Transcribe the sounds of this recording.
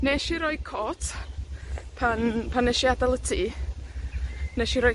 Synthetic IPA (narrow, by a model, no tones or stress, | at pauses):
neʃiɾɔjkʰɔtʰ | pʰanpʰanːɛʃiadalˠətʰi | nɛʃiɾɔ